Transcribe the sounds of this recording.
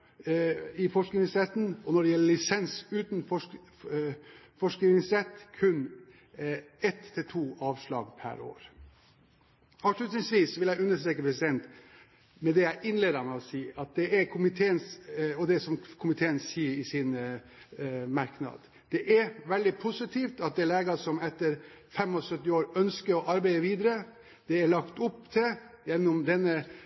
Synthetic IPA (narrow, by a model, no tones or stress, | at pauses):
ɪfɔʂknɪŋsɾɛt̪n̩ɔnɔɖɛjɛlːəlɪsɛnsʉːt̪n̩fɔ | fɔʂkɪɪɪŋsɾɛt̪ːkʰʉn | ɛt̪ʰːɪlt̪ʰuːʔɑːʋʂlɑ̰ːɡpʰæ̰ɾo̰ːɾ | ɑkʂlʉt̪nɪŋsʋiːsʋɪljæɪʉnːəʂst̪ɾeːkəpʰɾɛsɪd̪ɛnt̪ | mɛd̪ɛæɪʔɪnleːd̪ɑmɛɔsiːɑt̪̚d̪ɛæɾkʰʊmɪt̪ʰeːənsɔd̪ɛsɔmkʰʊmɪt̪ʰeːənsːiːəɾɪsɪn | mɑɾknɑ̰d̪ | d̪̥ɛʔæɾʋɛld̪ɪpʰʊsɪt̪ʰiːft̪ɑt̪̚d̪ɛleːɡɑsɔmɛt̪ːəɾ | fɛmːɔsœt̪ːɪoːɾœnskəɾɔʔɑɾbæɪəɾʋiːd̪əɾə | d̪̥ɛæɭɑkt̪ʊpːt̪ʰɪljɛnʊmd̪ɛnːə